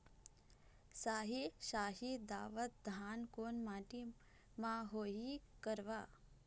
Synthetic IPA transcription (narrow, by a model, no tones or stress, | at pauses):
saːɦiʃaːɦid̪aːʋət̪̚d̪ʱaːnkoːnmaːʈi | maɦoɦikəɾʋa